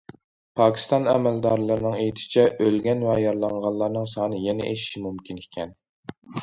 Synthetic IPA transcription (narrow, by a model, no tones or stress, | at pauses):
pʰɑːkʲʰi̥st̪ɑnɛmæld̪ɑːɾlˠɨɾɨnɨŋejt̪ʰɪ̥t͡ʃʰɛʔølɡʲɛnvɛjɑɾlˠɑɴʁɑnlˠɑɾnɨŋsɑːnɨjɛnɛ̰ʔeʃʃimumkʲʰinekʲʰɛn